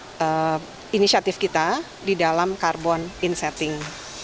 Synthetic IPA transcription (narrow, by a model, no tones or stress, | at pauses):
ʔə | inisiat̪ɪfkit̪a | didalamkarbɔninsɛt̪ɪŋ